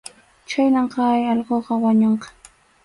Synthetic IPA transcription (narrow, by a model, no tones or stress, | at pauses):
t͡ʃajnɑɴqɑjɑʎɢoːqɑwaɲoɴqɑ̥